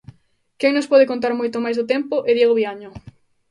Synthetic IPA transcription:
kɛŋnospɔðɪkont̪̬aɾmojt̪omajzðʊt̪ɛmpʊʔeðjeɣoβiaɲʊ

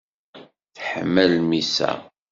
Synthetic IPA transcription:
θħmːælmisæ̰

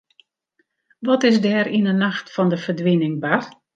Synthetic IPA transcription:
ʋɔtɪsdɛːɾinənaxtfɔndəfərdʋinɪŋbar

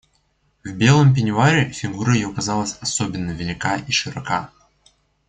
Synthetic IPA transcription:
vbʲe̞lˠəmp̬ʲɪnʲʊaɾʲɪfʲɪɡuɾəjɪjokɐzɑlˠəsʲɐsobʲɪnːəvʲɪlʲɪkaʔiʂɨɾɐka

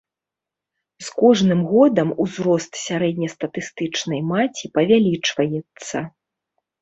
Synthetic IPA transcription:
skɔʐnɨmɣɔd̪ɐmuzɾɔst̪sʲaɾɛd̪ʲnʲɐst̪ɐt̪ɨst̪ɨt͡ʂnɐjmat͡sʲipɐvʲalʲit͡ʂvɐjɛt̪sːɐ

